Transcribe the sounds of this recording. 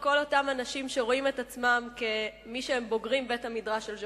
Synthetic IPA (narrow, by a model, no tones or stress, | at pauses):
ko̞lo̞tamanaʃimʃeʁo̞imetat͡smamkemiʃeembo̞ɡʁimbe̞thamidʁaʃelʒ